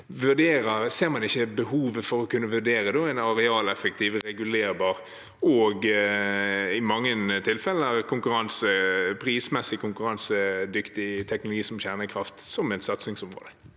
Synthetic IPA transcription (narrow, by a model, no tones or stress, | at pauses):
ʋʉʁɖ̪eːɾəʁseːʁmɑnɪçːəbəhuːʋəfɔɾɔkʰʉnːəʋʉʁɖ̪eːɾəd̪oæɪnɑɾɛɑːlɛfək̚t̪ʰiːʋɾɛɡʉleːɾbɑːɾ | ɔɡ | ɪmɑŋːənt̪ʰɪlfɛlːəɾkʰʊŋkʉɾɑnsəpʰɾiːsmɛsːɪkʰʊŋkʉɾɑnsəd̪ʏkt̪ɪt̪ʰɛk̚nʊlʊɡiːsɔmçæʁnəkʰɾɑft̪sɔmɛɪnsɑt̪snɪŋsɔmʁo̰ːd̪ə